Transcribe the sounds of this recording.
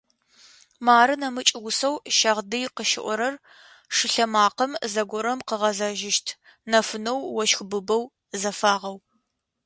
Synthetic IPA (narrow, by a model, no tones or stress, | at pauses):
maːɾɨnɐmɨt͡ʃʼɪwʊsɐwʃɐʁdɨjqəʃɪ̰ʔʷɔɾɐr | ʂɨɬɐmaːqɐmzɐɡʷɔɾɐmqəʁɐzaʒɪʃtʰ | nɐfɨnɐwːɔʃxbɨbɐw | zɐfaːʁɐw